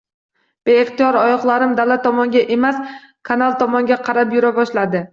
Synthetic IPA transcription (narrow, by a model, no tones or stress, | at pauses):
b̥e̞ːχt̪ijɒɾɒjɒχlˠaɾɪmd̪alat̪ʰːɒmɒŋɡʲaʔe̞mas | kʰanalˠt̪ʰɒmɒŋɡʲaqʰɑɾapjʊɾabɒʃlad̪ɪ